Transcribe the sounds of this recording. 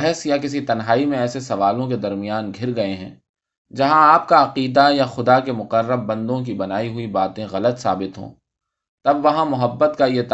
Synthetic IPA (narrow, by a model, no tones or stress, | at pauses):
ɦɛsjak̬ɪs̬it̪ɐnɦaːimẽɛːsesɐʋaːlõk̬ed̪ɐɾmijaːnɡʱɪɾɡɐeɦɛ̰̃ː | d͡ʒɐɦãaːp̚kaɐqiːd̪ajaxʊd̪akemʊqəɾːəbːɐ̃nd̪õk̬ibɐnaːiɦʊibaːt̪ẽɣɐlət̪sa̰ːbɪt̪ɦõ̰ː | t̪ɐbʋɐɦãmʊɦəbːət̪kajet̪